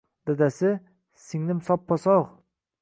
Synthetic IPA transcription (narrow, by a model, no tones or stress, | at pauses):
d̪̥ad̪asɪ | sɪŋnɪmsɒpʰːɒsɑʁ